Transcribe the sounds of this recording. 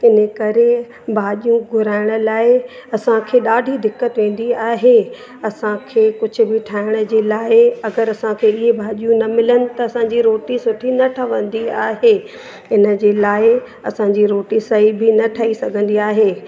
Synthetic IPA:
ɪnəkɐɾe | bʱaːʄijũɡʱʊɾaːɪɽ̃ʊ̆laːɪɐsãkʰeːɗaːɖʱid̪ɪkːət̪ʋẽːn̆d̪iaːɦe | ɐsãkʰeːkʊd͡ʑʱʊ̆bɪʈʰaːɪɽ̃ə̆d͡ʑeːlaːɪɐɡəɾɐsãkʰeːɪɦebʱaːʄijũnɐmɪlənɪ̆t̪ɐɐsãːɲd͡ʑiɾoːʈisʊʈʰinɐʈʰɐʋə̃nd̪iaːɦeː | ɪnə̆d͡ʑeːlaːɪ | ɐ̰sãːɲd͡ʑiɾoːʈisɐɦibɪnɐʈʰɐisɐɡʱə̃nd̪iaːɦeː

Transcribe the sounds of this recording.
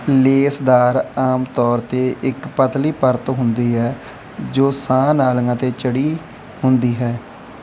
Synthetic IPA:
leːsd̪aːɾaːmt̪ɔːɾt̪eːʔɪkpət̪liːpəɾt̪ɦʊnd̪iːɦɛː | d͡ʒoːsãːnaːlŋãːt̪eːt͡ʃəɽiː | hʊnd̪iːɦɛː

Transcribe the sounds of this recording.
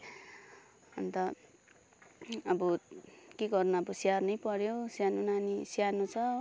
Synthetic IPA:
ʌnt̪ʌ | ʌbukeɡʌrnʌʌbʌsiarnʌjpʌɾjosjanunanisjanũt͡sʰʌ

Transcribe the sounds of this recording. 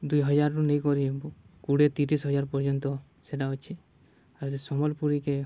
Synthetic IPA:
d̪ujɦɔd͡ʒaɾɾunejkɔɾiebukuɽet̪iʈisɦɔd͡ʒaɾpɔɾd͡ʒɔnt̪ɔ | seʈaɦɔt͡ʃʰi | aɾsesɔmɔlpuɾike

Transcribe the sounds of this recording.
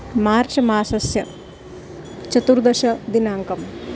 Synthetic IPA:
maːɾt͡ʃɐmaːsɐsjɐ | t͡ʃɐt̪uɾd̪ɐʃɐd̪inaːŋkɐm

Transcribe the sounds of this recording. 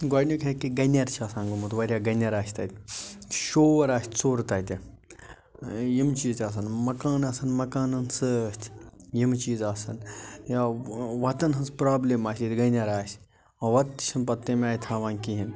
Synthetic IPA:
ɡaːnʲukʲʰɐkiɡɐnʲɐɾt͡ʃʰaːsãːnɡumut̪ʋɐɾʲaːɡɐnʲɐɾaːsʲt̪ɐ̰t̪ʲʃoːʋɐɾaːsʲt̪ʲsoːɾt̪aːt̪ʲi | jimt͡ʃiːt̪ʲaːs̬ɐnmɐkaːnɐsɐnmɐkaːnɐnsɨst̪ʰjimt͡ʃiːzaːsɐnjaʋɐt̪ɐnɦɐnspɾaːblʲemaːsʲit̪ɡɐnʲɐɾaːsʲ | ɐʋɐt̪ːi̥ʃʰɐnpɐt̪ːemaːjʲt̪ʰaːʋaːnʲkiɦin

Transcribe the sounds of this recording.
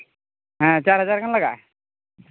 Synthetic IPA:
ɦãt͡ɕaɾɦəd͡zaɾkʰanlaɡa

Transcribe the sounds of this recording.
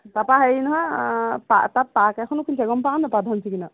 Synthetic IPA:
t̪apaɦɛjnɔɦãpa̰t̪at̚pakɛkʰɔnukʰinsɛɡɔmpaːnapad̪ʱansʰikina

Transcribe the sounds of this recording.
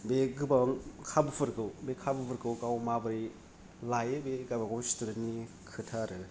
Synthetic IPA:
beɡɯbaŋkʰabɯpʰɯɾkɯwbekʰabɯpʰɯɾkɯwkawmabɯɾi | lajebeɡabaɡowstuɾenni | kʰɯtʰaɾɯ

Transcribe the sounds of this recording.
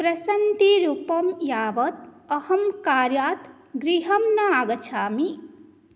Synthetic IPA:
pɾɐsɐnt̪iɾuːpɐmjaːʋɐt̪̚ɐhɐmkaːɾjaːt̪ʰ | ɡɾiɦɐmnɐaɡɐt͡ʃʰaːmi

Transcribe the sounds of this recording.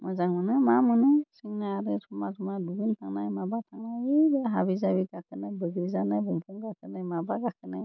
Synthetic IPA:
mɔzaŋmɯnɯmamɯnɯsiŋnaaɾɯtʰɔmatʰɔmaduɡintʰaŋnajmabatʰaŋnaibaɦabizabiɡakʰɯnajbəɡɾizanajbɯŋpʰɔŋɡakʰɯnajmabaɡakʰɯnaj

